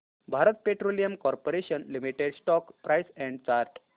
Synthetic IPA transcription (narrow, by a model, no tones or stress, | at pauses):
bʱaɾət̪̚peʈɾolijəmkɔɾpoɾeɕənlimiʈeɖsʈɔkpɾajsɛ̃ɳɖt͡ɕaɾʈ